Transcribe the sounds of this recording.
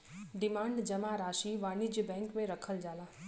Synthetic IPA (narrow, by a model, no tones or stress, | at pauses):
ɖɪmãːɳɖd͡ʒəmaɾaːʃiʋaːnid͡ʒbɛ̃ŋkmẽɾəkʰəld͡ʒaːlaː